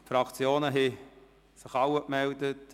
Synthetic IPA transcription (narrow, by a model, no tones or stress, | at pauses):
fɾɑkt͡sjoːnəɦɛ | sɪχɑwəkmɛldət